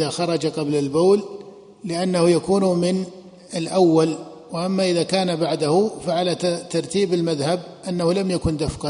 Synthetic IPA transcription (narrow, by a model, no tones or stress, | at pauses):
axɑɾˤɑd͡ʒaqɑblalboːlː | ɪʔanːahujakuːnmɪn | ɪlʔawːal | wɪʔamːaʔɪðakaːnabaʕd̪ahʊfaʕalat̪ɑɾˤt̪iːbɪlmaðhab̚ʔanːahulamjakʊnd̪afqɑ